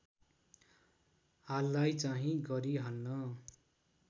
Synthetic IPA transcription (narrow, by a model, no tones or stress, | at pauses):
halːajt͡saɦĩɡʌɾiɦʌnːʌ